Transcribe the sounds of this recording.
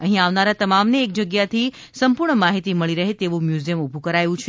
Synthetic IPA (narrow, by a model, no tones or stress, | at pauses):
əɦĩaʋnaɾat̪əmamneːk̚d͡ʒəɡjat̪ʰi | səmpuɾɳəmaɦit̪iməɭiɾəɦet̪eʋumjuzijəmubʱũkəɾajũt͡ʃʰe